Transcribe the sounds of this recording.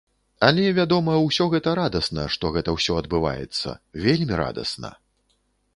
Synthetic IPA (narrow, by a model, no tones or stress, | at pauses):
ɐlʲɛvʲad̪ɔmɐwsʲɔɣɛt̪ɐɾad̪ɐsnɐ̰ʂt̪ɔɣɛt̪ɐwsʲɔɐd̪̚bɨva̰jɛ̰t̪sːɐ̰vʲelʲmʲiɾa̰d̪ɐ̰snɐ̰